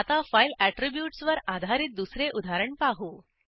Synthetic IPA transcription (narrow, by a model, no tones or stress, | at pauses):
at̪afajlæʈɾibjuʈsʋəɾad̪ʱaɾiːt̪̚d̪usɾeʔud̪ʱaɾəɳpaɦu